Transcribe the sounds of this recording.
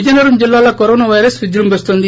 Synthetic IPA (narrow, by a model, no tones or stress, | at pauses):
d͡ʒɐnɐɾumd͡ʒɪlːaːlaːkoɾoːnaʋajɾɐsʋɪd͡ʒ̪ɾumbɐst̪õːnd̪i